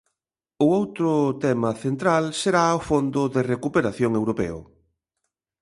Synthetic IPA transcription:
ʊowt̪ɾʊt̪ɛmɐθent̪ɾalseɾaofond̪ʊðerekupeɾaθjoŋewɾopɛ̰ʊ̰

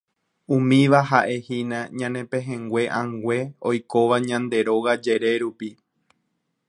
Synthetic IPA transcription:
ũmĩʋaɦaʔe̞hinãɲãnẽ̞pẽɦẽŋɡwʷe̞ʔãŋɡʷe̞o̞jko̞ʋaɲãnd̪e̞ɾo̞ɣad͡ʒe̞ɾe̞ɾupi

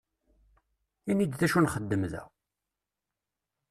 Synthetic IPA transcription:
ænid̪θæʃunχəd̪ːəmðæ̰

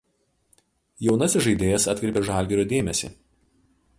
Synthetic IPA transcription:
jɛʊnɐsʲɪʒɐɪd̪ʲeːjɛsɐt̪ʲkɾʲɛˑpʲeːʒɑˑlʲɡʲɛɾʲoːd̪ʲeːmʲɛsʲḭːˑ

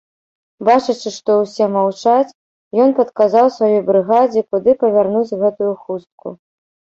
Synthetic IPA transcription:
bat͡ʂɨt͡ʂɨʂt̪ɔwsʲɛmawt͡ʂat͡sʲ | jɔnpɐt̪kazawsvajɔjbɾɨɣad͡zʲikud̪ɨpɐvʲarnut͡sʲɣɛt̪ujuxust̪̚kṵ

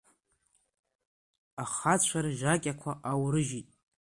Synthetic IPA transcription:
aχat͡ɕʷʰaɾʒakʲʼakʷʰaʔawɾɨʒitʼ

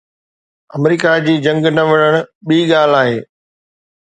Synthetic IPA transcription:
ɐmɾiːkad͡ʑiːd͡ʑɐ̃ŋɡnɐʋɐɽ̃əɽ̃ʊɓiːɠaːl̤aːɦeː

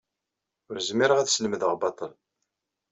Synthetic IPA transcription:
ʊɾzmiɾəʁæðsləmðəʁbɑt̪ˤəl

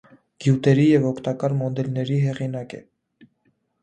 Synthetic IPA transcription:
ɡ̥jut̪ɛɾijɛvɔkʰt̪ɑkɑɾmɔd̪ɛlnɛɾiɦɛʁinɑkɛ̰

